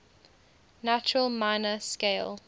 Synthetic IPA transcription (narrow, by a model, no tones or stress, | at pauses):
nat͡ʃəɹəlˠmaɪnəskeɪlˠ